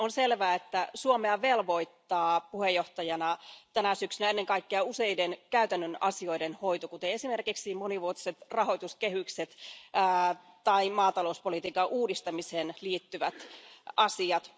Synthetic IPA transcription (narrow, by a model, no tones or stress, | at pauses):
onselʋæːet̪ːæsuomeɑʋelʋo̞it̪ːɑːpuhejːoht̪ɑjɑnɑt̪ænæsyksynæenːeŋkɑikːeɑuse̞jdenkæyt̪ænːønɑsio̞idenhoijt̪okut̪eesimerkiksimoniʋuot̪i̥set̪rɑho̞it̪uskeɦykset̪ː | t̪ɑimɑːt̪ɑlouspolit̪iːkɑʔuːdist̪ɑmiseːnliːt̪ːyʋæt̪ɑsiɑt̪